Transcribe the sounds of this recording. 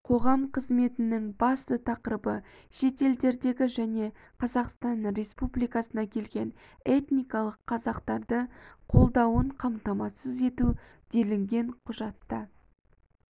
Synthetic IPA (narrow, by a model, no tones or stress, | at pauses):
qʰo̞ʁɑmqʰəzme̞t̪ɪnɪŋbɑst̪ət̪ʰɑqəɾəbə | ʃe̞t̪e̞ld̪e̞ɾd̪e̞ɡʲɪʒæne̞ | qʰɑzɑqst̪ɑnɾʲe̞spublijkɑsənɑkʲʰe̞lɡʲe̞n | e̞t̪nijkɑlˠəqʰːɑzɑqt̪ɑɾd̪əqʰo̞lˠd̪ɑwəɴqʰɑmt̪ɑmɑsəze̞t̪u | d̪e̞lɪŋɡʲe̞ɴqʰʊʒɑt̪ːə